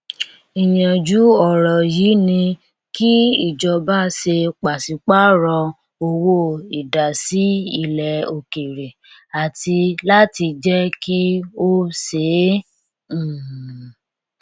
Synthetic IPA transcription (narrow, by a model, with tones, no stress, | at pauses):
i˨j̃ã˨d͡ʒu˨˦ɔ˦˨ɾɔ˨jiː˨˦nĩ˧ | ki˦i˦˨d͡ʒɔ˨˧ba˦se˧k͡pa˨si˨˧˦k͡pa˦ɾɔ˧ | o˧wo˦i˨da˨si˨˦i˦˨lɛ˨o˧ke˨ɾe˨ | a˨ti˧la˦ti˧d͡ʒɛ˦ki˦o˦se˨˦˨